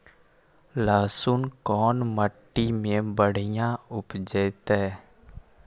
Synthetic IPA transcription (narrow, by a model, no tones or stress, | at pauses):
laːsʊnkɔːnməʈːimẽbəɽ̤ɪjãʊpd͡ʒeɪt̪ɛː